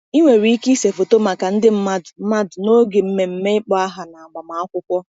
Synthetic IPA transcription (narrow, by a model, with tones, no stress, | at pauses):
i˦ŋʷe˨ɾi˨i˦ki˦se˨fo˨to˦ma˨ka˨n̩˦dɪ˦m̩˦ma˦dm̩˦ma˦dno˦ɡe˨m̩˦me˨m̩˦me˦ɪ˦k͡pɔ˦a˦ɦa˨na˨a˨ɡ͡ba˨ma˨a˦kʷʊ˦kʷɔ˦